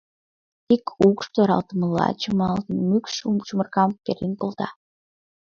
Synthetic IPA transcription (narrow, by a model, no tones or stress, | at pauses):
t̪ikʰukʃt̪oɾɑ̰lt̪əməlːɑ̰t͡ɕumɑlt̪əmykʃumt͡ɕumərkɑmkeɾinkolt̪ɑ̰